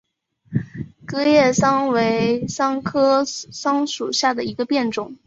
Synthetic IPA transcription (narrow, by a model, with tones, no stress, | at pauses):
kɤ˥jɛ˥˩sɑ˥ŋwe˧˥ɪsɑ˥ŋkʰɤ˥sɑ˥ŋʂu˨˩ɕja˥˩d̪ə˩i˧˥ɡə˧pjɛ˥˩nʈ͡ʂʊ˨˩˦ŋ